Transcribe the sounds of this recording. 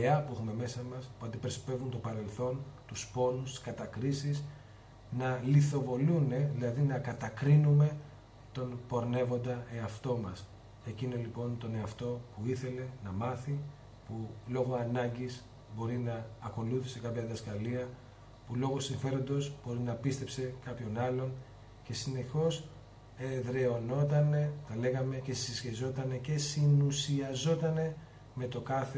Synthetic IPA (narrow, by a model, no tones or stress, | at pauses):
eɐpuexume̞me̞sɐmɐspuɐnd̪ipe̞ɾsi̥pe̞vunt̪o̞pɐɾe̞lθo̞nt̪uspo̞nust̪i̥skɐt̪ɐkɾisis | nɐliθo̞vo̞lune̞ðilɐðinɐkɐt̪ɐkɾinume̞ | t̪o̞npo̞ɾne̞vo̞nd̪ɐeɐft̪o̞mɐs | e̞cino̞lipo̞nt̪o̞ne̞ɐft̪o̞puiθe̞le̞nɐmɐθi | pulo̞ɣo̞ɐnɐɲɟis | bo̞ɾinɐːko̞luθise̞kɐpçɐðɐskɐliɐ | pulo̞ɣo̞siɱfe̞ɾo̞nd̪o̞sb̥o̞ɾinɐpist̪e̞pse̞kɐpço̞nɐlo̞n | ce̞sine̞xo̞s | eðɾe̞o̞no̞t̪ɐne̞t̪ɐle̞ɣɐme̞ce̞sisçezo̞t̪ɐne̞ce̞sinusiɐzo̞t̪ɐne̞ | me̞t̪o̞kɐθe